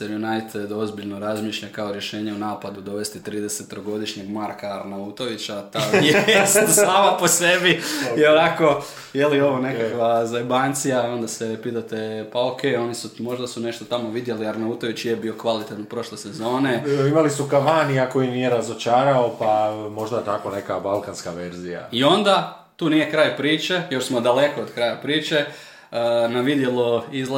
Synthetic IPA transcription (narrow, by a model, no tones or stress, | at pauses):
seɾjunajt̪d̪o̞zbiʎno̞ɾazmiːʃʎakaoɾje̞ʃeːɲe̞unaːpad̪ud̪o̞ʋe̞st̪it̪ɾiːd̪e̞set̪ːɾoɡo̞d̪iʃɲe̞ɡmaɾkaaɾnaut̪oʋit͡ɕat̪esusaːmapo̞sebijionako̞ | jelio̞ʋone̞kakʋazajbaːnt̪sijao̞nd̪asepit̪at̪epaokʰejo̞nisumo̞ʒd̪asune̞ʃt̪o̞t̪amo̞ʋid̪je̞liaɾnauːt̪oʋit͡ɕjebio̞kʋalit̪et̪npɾo̞ʃlese̞zo̞ːneimalisukaʋaniako̞jinijeɾazo̞t͡ʃaːɾaopamo̞ʒd̪aet̪ako̞ne̞kabalˠkanskaʋeɾzija̰io̞nd̪a | t̪uːnije̞kɾaːjpɾiːt͡ʃe̞jo̞ɾsmo̞d̪ale̞koːd̪kɾaːjapɾiːt͡ʃe̞ | naʋid̪je̞loizl